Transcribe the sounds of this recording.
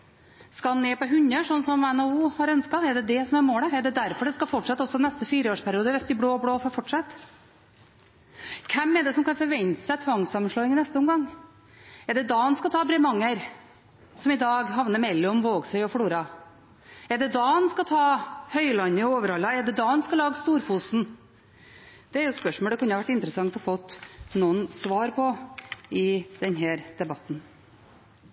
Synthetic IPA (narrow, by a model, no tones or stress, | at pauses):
skɑnɛːpɔɦʉɲːəʂɔnːsɔmɛnɑuːhɑɾœnskɑɛɖɛd̪ɛsɔmæɾmoːləɛɖɛd̪æɾfɔɖɛskɑfɔʈːʂɑt̪ːɔsːɔnɛst̪əfiːɾəoːʂpʰæɾɪuːd̪əʋɛst̪ɪbɽoːɔbɽoːfɔfɔʈʂɑt̪ː | kʰɛmːɛɖ̪ɛsɔmkɑnfɔɾʋɛnt̪ə̥sɛɪt̪ʰʋɑŋsɑmʂɭɔːɪŋnɛst̪əɔmɡɑŋː | ɛɖɛd̪ɑɑnskɑt̪ʰɑːbɾɛmɑŋːəɾ | sɔmɪd̪ɑːɡɦɑʋnəɾmɛlːɔmʋoːɡsœʏɔfɽuːɾɑ | ɛɖɛd̪ɑɑnskɑt̪ʰɑːhœʏlɑnːəoːʋəɾɑlːɑɛɖɛd̪ɑːnskɑlɑːɡst̪uːɾfuːsn̩ | d̪̥ɛɛɾjʊspœʂmɔːld̪ɛkʉnəɑʋæʈːɪnt̪ɾəsɑŋt̪ɔhɔfɔt̪ːnunsʋɑːɾpʰɔɪd̪̥ɛnɦæːɾd̪̥ɛbɑt̪ːn